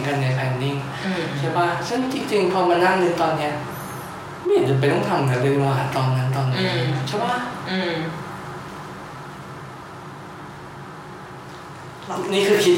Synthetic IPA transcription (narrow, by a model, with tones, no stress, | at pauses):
ka˧nːa˧jpʰɛː˧nni˥˩ŋː˧˩ | t͡ɕʰa˥˩ba˧˥˩sɯ˥˩ŋt͡ɕi˧ŋt͡ɕi˧ŋpʰɔː˧maː˧na˥˩ŋlɯ˧nt̪ɔː˧nːi˦˥ɐ | ma˥˩˨ha˨˩dɯ˨˩p̬a˧nʰɔ˥˩ŋt̪ʰa˧˩m˨aː˨˧˩lɯ˧ŋla˧waː˨˩t̪̚t̪ɔː˧nna˦˥nt̪ɔː˧nːa˦˥˨t͡ɕʰa˥˩ba˦˥˩ɯː˧˩ | lniː˥˩kʰɯː˧kʰi˦˥t̪̚